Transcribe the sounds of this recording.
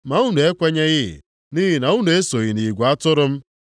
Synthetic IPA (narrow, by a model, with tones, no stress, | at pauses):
ma˨u˦nu˨e˦kʷe˦ɲe˦ɣɪ̰˦˨ | niː˦ɦi˨na˨u˦nu˨e˦so˨ɣi˨ni˨ɡʷa˦tʊ˦ɾʊ˦m̩˦